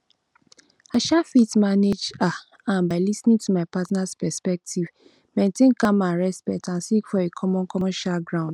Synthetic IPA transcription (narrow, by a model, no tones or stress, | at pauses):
aʃafitmaned͡ʒa | ãmbaɪlisnĩŋtumaɪpatnaspɛspɛk̚tʰiv | mẽntẽnkãmaɹɛspɛtãnsikfɔekʰɔmɔ̃nkʰɔmɔ̃ʃaɡɹãʊ̃nd̥